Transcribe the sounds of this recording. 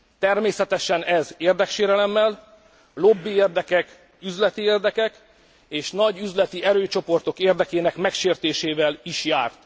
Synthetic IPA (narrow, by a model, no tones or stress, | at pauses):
t̪ɛrmeːsɛt̪ɛʃɛnɛzeːrd̪ɛkʃeːɾɛlɛmːɛl | lo̞bːieːrd̪ɛkɛk | yzlɛt̪ieːrd̪ɛkɛk | eːʃnɒɟyzlɛt̪iɛɾøːt͡ʃo̞po̞rt̪o̞keːrd̪ɛkeːnɛkmɛkʃeːrt̪eːʃeːvɛliʃjaːrt̪